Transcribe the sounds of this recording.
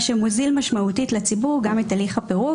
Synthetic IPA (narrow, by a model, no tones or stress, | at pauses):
ʃemuzilmaʃmautitlet͡sibuʁɡamitaliχapeʁu